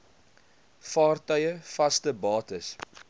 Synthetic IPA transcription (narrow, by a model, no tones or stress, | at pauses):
fɑːrtœɥəfɐstəbɑːtəs